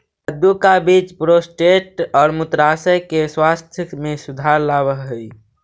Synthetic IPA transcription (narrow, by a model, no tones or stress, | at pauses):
əd̪ukabiːt͡ʃpɾosʈeʈɔːɾmʊt̪ɾaːsəjkeswaːst̪ʰjəmẽsʊd̪ʱaːɾlaːwəɦɦəi